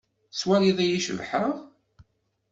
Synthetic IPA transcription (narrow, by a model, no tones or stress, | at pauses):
swæliðæjiʃə̰vħəʁ